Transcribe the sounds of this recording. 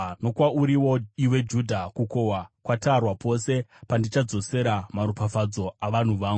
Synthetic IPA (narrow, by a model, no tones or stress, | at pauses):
no̞kwauɾiwo̞iwe̞d͡ʒudʱakukowakwatarwapo̞se̞pandit͡ʃad͡zo̞se̞ɾamaɾupafad͡zo̞aʋan̤uʋaːŋɡu